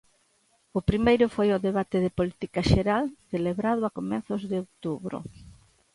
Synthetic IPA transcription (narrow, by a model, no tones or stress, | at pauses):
ʊpɾimejɾʊfojʊðeβat̪ɪðɪpolit̪ikaʃeɾalθeleβɾaðʊakomɛnθʊzðɪow̚t̪uβɾʊ̰